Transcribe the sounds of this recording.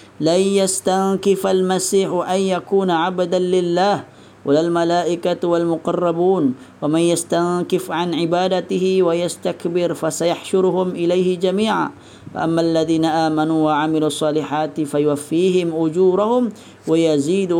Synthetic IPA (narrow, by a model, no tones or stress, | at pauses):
lanjast̪aŋkɪfalmasiːħʔanjakuːnaʕabad̪anlɪlːaːh | walalmalaːʔɪkawalmʊqɑrˤːɑbuːn | wamanjast̪aŋkɪfʕanʕɪbaːd̪at̪ɪhɪwajast̪akbɪɾfasajaħʃʊɾʊhʊmʔɪlajhɪd͡ʒamiːʕa̰ː | fa̰ʔamːaːʔalːaðiːnaʔaːmanuːwaʕamɪluːɑsˤːɑːlɪħaːt̪fajʊwafːiːɦɪmʔʊd͡ʒuːɾˤahʊm | wajaziːd̪